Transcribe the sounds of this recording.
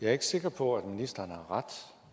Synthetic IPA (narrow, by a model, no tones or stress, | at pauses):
jɑ̈ɐe̝ɡ̥əse̝ɡ̥ɐpʰɒ̽æd̥minisd̥ɐːnəhɑ̈ʁad̥